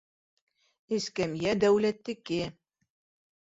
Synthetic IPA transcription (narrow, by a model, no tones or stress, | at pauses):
ɘ̆skæmjæd̪æwlæt̪ːɘ̆kɘ